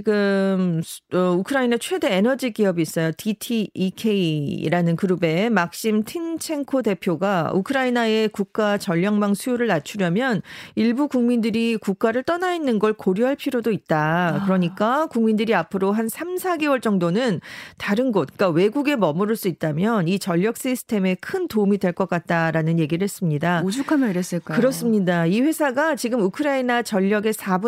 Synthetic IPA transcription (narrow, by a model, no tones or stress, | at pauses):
iɡɯmʌukʰɯɾainat͡ɕʰwe̞de̞ːnʌd͡ʑiɡiʌbiːs͈ʌjotʰitʰiːkʰe̞ḭɾanɯnkɯɾube̞mak̚ɕ͈imtʰint͡ɕʰe̞ŋkʰode̞pʰjoɡaukʰɯɾainae̞kuk̚k͈at͡ɕʌʎːʌŋmaŋsʰujoɾɯɭnat͡ɕʰuɾjʌmjʌniɭbukuŋmindɯɾikuk̚k͈aɾɯɭt͈ʌnainːɯnɡʌɭkoɾjuɦaɭpʰiɾjodoit̚t͈akɯɾʌɲik͈akuŋmindɯɾiapʰɯɾoɦansʰamsʰaɡewʌɭt͡ɕ͈ʌŋdonɯntaɾɯnɡʌt̚k͈awe̞ɡuɡe̞mʌmɯɾɯɭs͈uit̚t͈amjʌnit͡ɕʌʎːʌk̚s͈isʰɯ̥tʰe̞me̞kʰɯntomidwe̞ɭk͈ʌk͈at̚t͈aɾanɯnje̞ɡiɾɯɭhe̞s͈ɯmɲidad͡ʑukʰamaɾes͈ɯk͈akɯɾʌs͈ɯmɲidaiɸe̞sʰaɡat͡ɕiɡɯmukʰɯɾainat͡ɕʌʎːʌɡe̞sʰabu